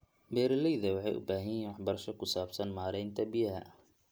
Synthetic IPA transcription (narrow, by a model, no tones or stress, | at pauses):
bɛːɾɐlɛjðɐwɑħɑ̰jʔʊ̰baːɦɪjɛːnwɑħbɐɾɐʃɔkʰʊsaːbsɐnmaːɾɛjnt̪ʰɐbɪjɐɦɐ̰